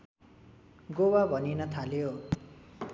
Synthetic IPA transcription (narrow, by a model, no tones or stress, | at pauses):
ɡowabʱʌninʌt̪ʰaljo